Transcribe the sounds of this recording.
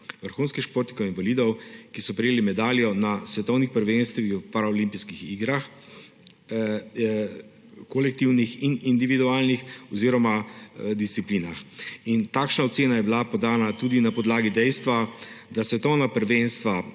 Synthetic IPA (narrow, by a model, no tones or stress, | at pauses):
ʋəɾxuːnskixʃpoːɾt̪nikɔinvaliːd̪ɔwkisɔpɾɛjeːlimɛd̪aːljɔnasʋɛt̪ɔwnixpəɾʋenst̪ʋixpaɾaɔlimpiskixiɡɾax | kɔlɛk̚t̪iwnixinind̪iʋid̪uaːlnixɔziːɾɔmad̪ist̪sipliːnaxint̪aːkʃnaɔt̪seːnajɛbilapɔd̪aːnat̪uːd̪inapɔd̪laːɡid̪ɛjst̪ʋad̪asʋɛt̪ɔwnapəɾʋenst̪ʋa